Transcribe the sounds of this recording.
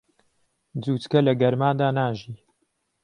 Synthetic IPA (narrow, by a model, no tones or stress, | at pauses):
d͡zuːt̪kɐlɐɡɐɾmaːd̪aːnaːʒiː